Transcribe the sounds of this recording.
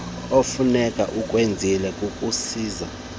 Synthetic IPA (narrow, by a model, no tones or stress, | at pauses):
ofunɛkʼa̰ʔukʼwend͡zʱilɛkʼukʼusiːza